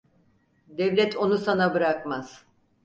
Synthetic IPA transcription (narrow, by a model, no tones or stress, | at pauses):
d̪ɛvlʲɛt̪ʰo̞nusanabɯɾakmaz̥